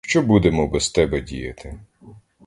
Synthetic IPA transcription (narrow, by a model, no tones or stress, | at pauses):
ʃt͡ʃɔbud̪emɔbɛst̪ɛbɛdʲḭjɐt̪ɪ